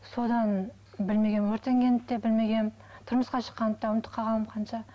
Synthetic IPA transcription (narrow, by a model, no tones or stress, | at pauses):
so̞d̪ɑn | bɪlme̞ɡʲe̞nwɵɾt̪e̞ŋɡʲenɪp̚t̪ːebɪlme̞ɡʲe̞n | t̪ʰʊɾməsqɑʃə̥qːɑnəp̚t̪ɑʊnt̪ʰːə̥qʰːɑʁɑlˠəmqʰɑnʃɑ